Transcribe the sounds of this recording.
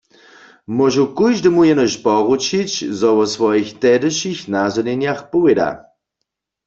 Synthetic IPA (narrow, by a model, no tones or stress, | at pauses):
mɔʒukujʒdəmujɛnəʃpɔʁut͡ʃit͡ɕzɔwɔsʋɔjixt̪ɛdəʃixnazɔnɛnjaxpuweda̰